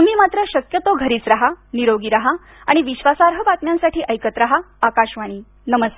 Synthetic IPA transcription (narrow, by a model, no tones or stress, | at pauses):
əmiːmat̪ɾəɕəkjət̪oɡʱəɾiːt͡sɾaɦaniɾoɡiːɾaɦa | aɽ̃iʋiɕʋasaɾɦəʋat̪mjãnsaʈiːʔəjkət̪ɾaɦa | akaɕʋaɽ̃iː | nəməst̪e